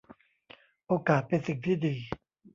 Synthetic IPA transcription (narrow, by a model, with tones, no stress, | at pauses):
ʔoː˧kaː˨˩t̪̚pe˧nsi˨˩ŋt̪ʰiː˥˩diː˧